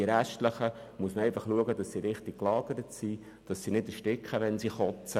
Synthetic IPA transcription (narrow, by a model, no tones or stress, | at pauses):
iəɾæʃtləχəmuəsməɛɪfɑχluəɡədɑssiɾɪχtɪk̚kːlɑːɡ̥əɾətsi | d̥ɑsːinɪdəʃtɪkχəʋɛnsiχɔt͡sə